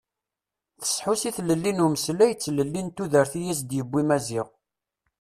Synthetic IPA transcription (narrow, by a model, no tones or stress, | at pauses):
θə̥sħusiθləlːinuməslæjət͡sːləlːint̪ːuðəɾθijæs̬d̪jəbːimæziʁ